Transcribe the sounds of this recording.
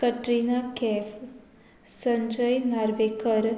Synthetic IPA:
kəʈɾinakef | səɲd͡ʒəjnaɾʋekəɾ

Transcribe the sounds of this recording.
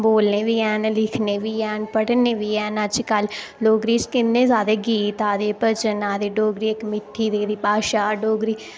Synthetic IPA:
boːlneːʋiːɛːnlɪkʰneːʋiːɛːnpəɽneːʋiːɛːnəd͡ʒkəl | ɖoːɡɾiːt͡ʃkɪnːẽːzaːd̪eːɡiːt̪aːd̪eːpət͡ʃənaːd̪eːɖoːɡɾiːkmɪʈ̪ʰːiːd̪eːɾiːpaːʃaːɖoːɡɾiː

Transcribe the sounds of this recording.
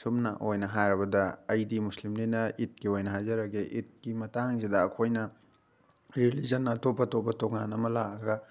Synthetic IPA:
sumnɐ̰ʔojnɐɦajɾɐbɐdɐɐjdimuslimninɐit̚kiojnɐɦajzɐɾɐɡeʔit̚kimɐtaŋzidɐːkʰojnɐ | ɾelizɐnːɐːtopːɐtopɐtoŋanɐmɐlak̚ɐɡɐ

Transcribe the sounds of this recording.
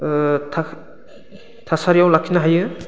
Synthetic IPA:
tʰa | tʰasaɾijawlakʰinaɦajɯ

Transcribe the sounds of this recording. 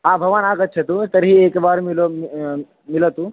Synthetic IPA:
aːbʱɐʋaːnaːɡət̪̚ːt͡ʃʰet̪ut̪ɐɾɦieːkbaːɾmɪlo | mɪlət̪ũː

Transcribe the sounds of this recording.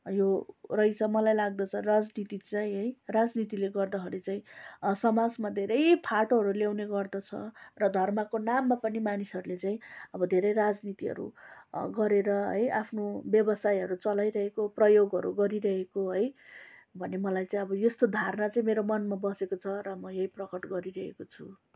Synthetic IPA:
jorʌjt͡sʰʌmʌlajlaɡ̚d̪ʌt͡sʰʌrad͡znit̪it͡saĩɦʌjrad͡znit̪̬ileɡʌrd̪ʌɦʌɾet͡saĩsʌmad͡zmad̪ʱeɾʌjpʰaʈoɦʌɾuljawneɡʌrd̪ʌt͡sʰʌ̰rʌd̪ʱʌrmakonamːapʌnimanisʌɾulet͡saĩʌbʌd̪ʱeɾʌjɾad͡znit̪iɦʌ̰ɾṵɡʌɾeɾʌɦʌ̰jʔapʰnobjʌbʌsajʌɾut͡sʌlajɾʌɦekoprʌjoɡʌɾṵɡʌɾiɾʌɦekoɦʌjbʱʌnemʌlajt͡saĩʌbʌjost̪od̪ʱarnat͡saĩmeɾomʌnmabʌsekot͡sʰʌɾʌmʌjʌɦiprʌkʌʈɡʌɾiɾʌɦḛkot͡sʰu

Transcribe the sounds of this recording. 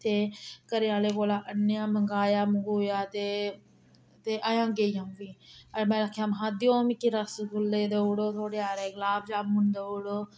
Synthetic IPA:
t̪eːkəɾejaːleːkoːlaːʔənːjãːməŋɡaːjaːmʊŋɡujaːt̪eː | t̪eːʔaːjãːɡeːiamʋiːəɾmɛ̃ːɾəkʰːjãːmɦãːd̪ɪjoːmikiɾəskʊlːeːd̪euːɽoːt̪ʰoːɽeːaːɾeːɡlaːbd͡ʒaːbmʊnd̪ouɽoː

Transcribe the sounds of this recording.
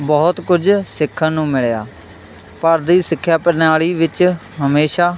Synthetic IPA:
bɔːt̪kʊd͡ʒsɪkʰːə̃ːnũːmɪɭja̰ː | pəɾd̪iːsɪkʰːjaːpəɾnaːɭiːʋɪt͡ʃ | ɦəmeːʃaː

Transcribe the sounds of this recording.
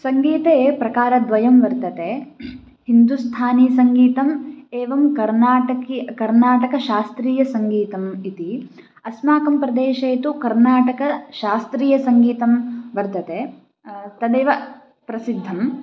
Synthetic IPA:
sɐŋɡiːt̪eːpɾɐkaːɾɐd̪ʋɐjɐmʋɐɾt̪ɐt̪eː | hind̪ust̪ʰaːniːsɐŋɡiːt̪ɐmeːʋɐmkɐɾnaːʈɐkikɐɾnaːʈɐkɐʃaːst̪ɾiːjɐsɐŋɡiːt̪ɐmit̪i | ɐsmaːkɐmpɾɐd̪eːʃɐjɐt̪ukɐɾnaːʈɐkɐʃaːst̪ɾiːjɐsɐŋɡiːt̪ɐmʋɐɾt̪ɐt̪eː | t̪ɐd̪eːʋɐ | pɾɐsid̪ʱːɐm

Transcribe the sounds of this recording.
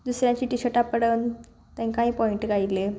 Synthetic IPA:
d̪usɾjãɲt͡ɕiːʈiɕəʈapəɽən | t̪ɛ̃ŋkãɦĩːpɔiɳʈɡʱaile

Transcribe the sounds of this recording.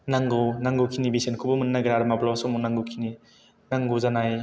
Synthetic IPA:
naŋɡɯwnaŋɡuwkʰinibisenkʰubumɯnːaɡɾaɾmablawasɔmunaŋɡɯwkʰini | naŋɡuzanaj

